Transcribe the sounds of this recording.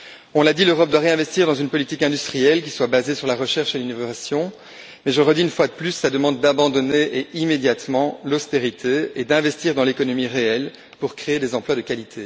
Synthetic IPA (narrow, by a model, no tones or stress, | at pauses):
ɔ̃lad̪iløʁɔp̚d̪waʁeɛ̃vɛst̪iʁd̪ɑ̃zynpɔlit̪ikɛ̃d̪yst̪χijɛlk̬ʲi̥swabazesyʁlaʁəʃɛʁʃelinovasjɔ̃ | mɛʒəʁəd̪iynfwad̪əplysːad̪əmɑ̃d̪ːabɑ̃d̪ɔneʔeimed̪jat̪mɑ̃lost̪eʁit̪ʰeed̪ɛ̃vɛst̪iʁd̪ɑ̃lekɔnɔmiʁeɛl | puʁkχeed̪ɛzɑ̃plwad̪əkalit̪ʰe